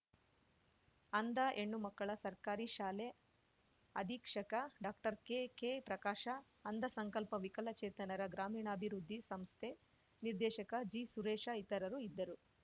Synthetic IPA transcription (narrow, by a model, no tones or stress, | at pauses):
ɐnd̪ɐʔeɳːumɐkːɐɭɐsɐɾkaːɾiʃaːle | ɐd̪ʱiːkʂɐkɐɖaːkʈɐɾkekepɾɐkaːʃɐ | ɐnd̪ɐsɐŋkɐlpɐʋikɐlɐt͡ʃɛːt̪ɐnɐɾɐɡɾaːmiːɳɐːbʱiɾud̪ʱːisɐmst̪ʰe | niɾd̪ɛːʃɐkɐd͡ʒisuɾeːʂait̪ɐɾɐɾuid̪ːɐɾu